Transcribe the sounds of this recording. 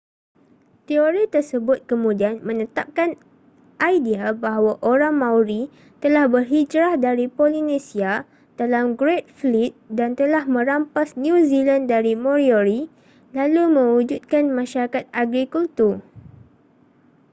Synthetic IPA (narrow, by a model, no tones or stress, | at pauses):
t̪ioɾit̪ərsəbʊt̪̚kəmũdianmə̃nət̪ap̚kan | ʔajdiabaɦawaʔoɾaŋmãwɾi | t̪əlahbərɦid͡ʒɾahdaɾipolinẽsia | d̥alamɡɾet̪̚flit̪̚dant̪əlahmə̃ɾampasnjũzilandaɾimõɾioɾi | lalumə̃wud͡ʒut̪̚kanmãʃaɾakat̪̚aɡɾikult̪ur